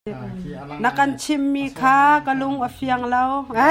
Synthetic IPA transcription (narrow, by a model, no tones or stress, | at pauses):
nɐkɐnt͡sʰimːiːkʰaːkəlʊŋʔəfʰiɐŋlɐw